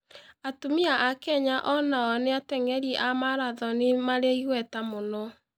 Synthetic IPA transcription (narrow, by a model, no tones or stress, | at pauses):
atomiaʔakɛɲaʔɔnaɔneatɛŋɛɾiʔamaɾaðɔnemaɾeiɣwɛtamonɔ